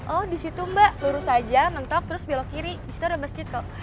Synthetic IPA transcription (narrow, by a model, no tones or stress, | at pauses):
ʔɔhdisit̪umbaʔluɾʊsad͡ʒamənt̪ɔk̚t̪əɾʊsbilokiɾidisi̥t̪uɾdaməsd͡ʒɪt̪̚ka